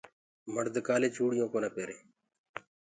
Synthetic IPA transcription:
məɽd̪əkaːleːt͡ʃʰuːɽɪjõːkoːnaːpeːɾeː

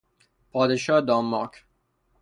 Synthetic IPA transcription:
pʰɒːd̪eʃɒːd̪ɑːmːɑkʰ

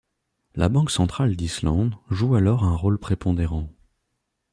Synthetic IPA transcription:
la̰bɑ̃ksɑ̃t̪χald̪islɑ̃d̪ʒualɔʁɛ̃ʁolpχepʰɔ̃d̪eʁɑ̃

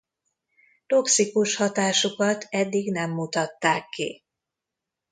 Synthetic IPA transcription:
t̪o̞ksikuʃhɒt̪aːʃukɒt̪ʰɛd̪ːiɡnɛmːut̪ɒt̪ːaːkːḭ

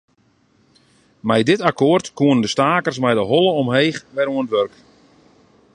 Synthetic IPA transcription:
mɛjdɪtakoərtkuənəndəstaːkərs̬mɛjdəɦɔlˠəɔmɦeːxʋɛɾuənətʋørk

